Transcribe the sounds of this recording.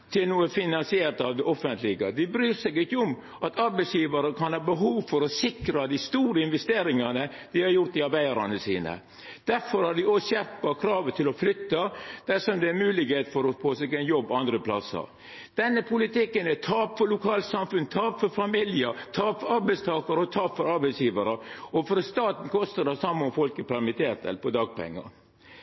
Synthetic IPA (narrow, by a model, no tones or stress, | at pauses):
t̪ʰɪlnuːəfɪnɑnsɪeːɾt̪ɑʋd̪ɛʔɔfənt̪lɪɡə̰d̪ɪbɾyːɾsɛɡɪçːəɔm | ʔɑt̪ʰɑɾbæɪsjiːʋɑɾəkʰɑnhɑːbəɦuːʋfɔɾɔsɪkɾɑd̪ɪst̪uːɾəɪnʋɛst̪eːɾɪŋɑnə | d̪ɪhɑɾjʊɾt̪ɪɑɾbæɪd̪ɑɾɑ̰nəsḭːnə̰ | d̪̥æɾfɔɾhɑɖ̪ɪɔɕɛɾpɑkʰɾɑːʋət̪ʰɪlɔflʏt̪ːəd̪̥æʂɔmd̪ɛæmʉːlɪɡheːt̪fɔɾɔpoːsɛɡɛɪnjɔbːɑnd̪ɾəpʰlɑ̰sə̰ɾ | d̪̥ɛnːəpʰʊlɪt̪ɪkːənɛt̪ʰɑːpfɔlʊkʰɑːlt̪sɑmfʉnt̪ʰɑːpfɔɾfɑmɪljət̪ʰɑːpfɔɾɑɾbɛɪst̪ʰɑːkɑɾəɔt̪ʰɑːpfɔɾɑɾbɛɪsjiːʋɑɾəɔfɔɾst̪ɑːt̪n̩kʰɔst̪əd̪ɛsɑmːʊmfɔlkəpʰæɾmɪt̪ʰeːt̪ɛ̰lpɔd̪ɑːɡ̚pɛ̰ŋːɑ̰